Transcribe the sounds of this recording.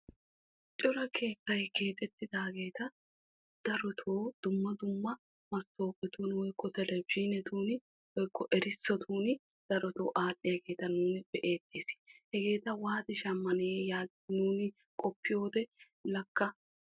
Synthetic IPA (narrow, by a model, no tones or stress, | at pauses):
t͡ʃʼɔɾɐkʰe̞ːsɐjɡe̞ːt̪ʼɛt̪ːɪd̪aːɡe̞ːt̪ɐ | d̪̥ɐɾɔt̪ʰoːd̪̥ʊmːɐd̪ʊmːɐ | mɐst̪o̞ːpʼːɛt̪uːnwɔjkːɔt̪ɛlɛbd͡ʒiːnɛt̪uːnɪ | wɔjkːɔʔɛɾɪsːɔt̪ʰuːnɪ | d̪̥ɐɾɔt̪o̰ːʔaːɗːɪjaɡe̞ːt̪ɐnuːnɪb̥ɛʔe̞ːd̪eːshɛɡe̞ːt̪ɐwaːt̪ɪʃɐmːɐneːjaːɡ | nuːnɪ | kʼɔpːɪjo̞ːd̪ɛ | lɐkːɐ